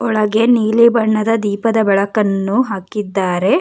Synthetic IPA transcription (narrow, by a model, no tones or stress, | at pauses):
ɔɭɐɡe̞niːlibɐɳːɐd̪ɐd̪iːpɐd̪ɐbɛɭɐkɐnːuɦaːkid̪ːaːɾe̞